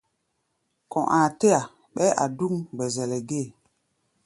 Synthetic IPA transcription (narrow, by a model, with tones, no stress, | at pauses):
kɔ̃˨ʔãː˨te˦a˨ | ɓɛ˦ʔa̰˨du˦ŋɡ͡bɛ˨zɛ˨lɛ˨ɡe˦˨